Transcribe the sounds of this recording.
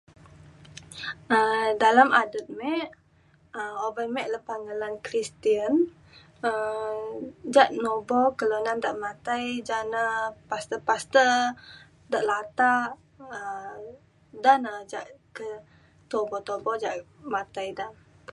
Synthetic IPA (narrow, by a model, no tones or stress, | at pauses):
ədalamadət̪̚mɛʔ | əobajmɛʔlapaŋəlankɾist̪iən | ə | d͡ʒaʔnobɔkəlanandaʔmat̪ajd͡ʒanəpast̪əpast̪ə | daʔlat̪aʔ | ə | danəd͡ʒaʔkə | t̪obɔt̪obɔd͡ʒaʔmat̪ajdam